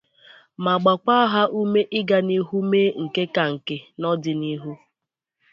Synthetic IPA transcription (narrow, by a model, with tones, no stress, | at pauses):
ma˨ɡ͡ba˨ka˦ɦa˦ʔu˦me˦ʔɪ˦ɡa˨ni˦ɦu˦me˦ŋ̩˨ke˦ka˨ŋ̩˨ke˨nɔ˦dɪ˨ni˦ɦu˦